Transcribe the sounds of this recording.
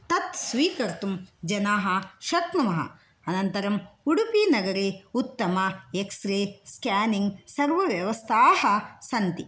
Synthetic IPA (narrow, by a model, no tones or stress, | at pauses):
t̪ɐt̪sʋiːkɐɾt̪umd͡ʒɐnaːɦɐʃɐt̪numɐɦɐ̰ | ɐnɐnt̪ɐɾɐmuɽupiːnɐɡɐɾeːut̪ːɐmɐeksɾeːskjaːniŋɡsɐɾʋɐʋjɐʋɐst̪ʰaːhɐsɐnt̪i